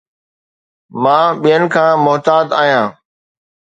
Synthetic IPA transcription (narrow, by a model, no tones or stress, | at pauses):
mãːɓijənɪ̆kʰãːmʊɦt̪aːd̪aːɦijãː